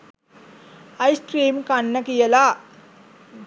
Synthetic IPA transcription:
ɐjsʈɾiːmkanːəkijəla

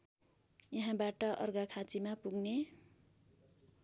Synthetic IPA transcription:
jʌɦãbaʈʌʔʌrɡakʰat͡simapuɡne

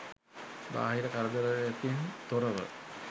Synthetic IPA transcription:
ba̰ːɦiɾəkaɾəd̪əɾəæt̪int̪oɾəʋə̰

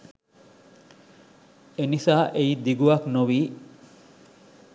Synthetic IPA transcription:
enifaːʔeid̪iɡuɐknoʋiː

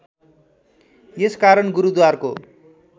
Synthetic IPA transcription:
jeskaɾʌnɡuɾud̪warko̰

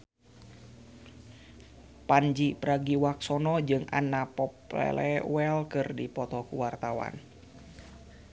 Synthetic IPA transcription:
pand͡ʒipəɾaɡiwaksɔnɔd͡ʒɨŋa̰napɔplɛ̰lɛwɛlkɨrdipɔt̪ɔkuwart̪awa̰n

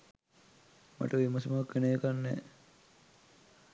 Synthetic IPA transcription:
ma̰ʈəʋimɐsimaakʋeneːkanːɛ̰ː

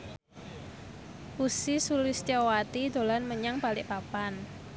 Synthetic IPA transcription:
ʔusisulɪst͡ʃawat̪id̪o̤lanməɲaŋpalɪʔpapan

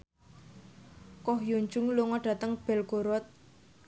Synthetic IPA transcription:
kɔhjoɲd͡ʒʊŋloŋɔɖ̥ä̤t̪əŋb̥ɛlkoɾɔt̪̚

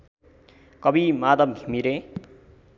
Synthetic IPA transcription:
kʌbimad̪ʌmɡʱimiɾẽ

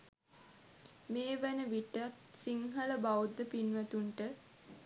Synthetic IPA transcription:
meːʋænəʋiʈat̪siŋɦələbawud̪ːəpinʋæt̪uɳʈə

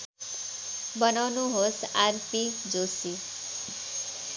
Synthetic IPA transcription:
bʌnawnuɦosaɾpid͡zosi

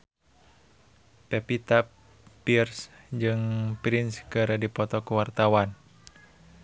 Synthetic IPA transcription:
pɛpit̪apː | irs | d͡ʒɨŋpɾinskɨɾədipɔt̪ɔkuwart̪awan

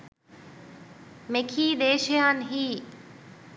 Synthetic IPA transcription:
mekʰiːd̪eːʃjaːnɦiː

